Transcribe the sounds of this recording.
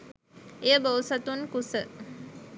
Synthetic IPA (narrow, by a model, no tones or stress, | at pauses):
ejəbəwsat̪unkusə